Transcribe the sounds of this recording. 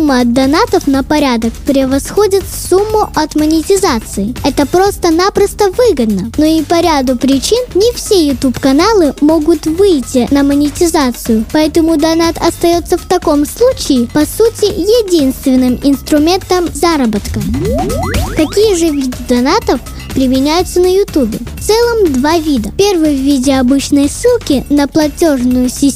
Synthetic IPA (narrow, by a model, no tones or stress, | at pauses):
umːəɐd̪d̪ɐnat̪əfnəpɐɾʲad̪ək̚pɾʲɪvɐsxo̞dʲɪt̪fsumːʊʔɐt̪mənʲɪtʲɪzat̪sɨɪɛt̪əpɾo̞st̪ənapɾəst̪əvɨɡəd̪nənoipɐɾʲad̪ʊpɾʲɪt͡ɕinnʲɪfsʲejʊt̪upkɐnalˠɨmo̞ɡʊt̪vɨjtʲɪnəmənʲɪtʲɪzat̪sɨjʊpɐɛt̪əmʊd̪ɐnat̪ɐst̪ɐjo̞t̪sːəft̪ɐko̞mslˠut͡ɕɪːpɐsutʲɪjɪdʲinst̪vʲɪnːɨmɪnst̪ɾʊmʲe̞nt̪əmzaɾəbət̪kə | kɐkʲijəʐɨvʲid̪ɨd̪ɐnat̪əf | pɾʲɪmʲɪnʲæjʊt̪sənəjʊt̪ubʲɪft̪sɛlˠəmd̪vavʲid̪əpʲervɨjvʲːidʲɪɐbɨt͡ɕnəjsːɨlˠkʲɪnəplˠɐtʲoʐnʊjʊsʲɪ